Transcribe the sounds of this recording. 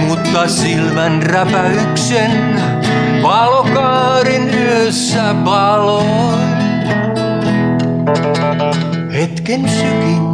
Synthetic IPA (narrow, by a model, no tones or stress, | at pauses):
mut̪kɑsilmænræpæyksen | ʋɑlokɑːɾinyøsːæpɑlo | het̪kensyki